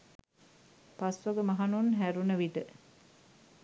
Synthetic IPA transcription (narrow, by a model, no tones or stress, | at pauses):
pasʋoɡəmɐɦanunɦæɾunəʋiʈə